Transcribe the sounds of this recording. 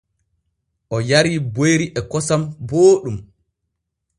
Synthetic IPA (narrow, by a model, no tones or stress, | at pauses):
ʔɔjaɾiːbojɾiʔɛkɔsamboːɗum